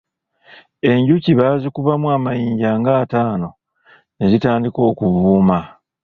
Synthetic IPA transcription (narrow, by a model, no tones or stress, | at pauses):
e̞ɲɟuciβaːzikuβamuaːmajiːɲɟaːŋɡaːtaːno̞ | nezitaːndiko̞ːkuβuːma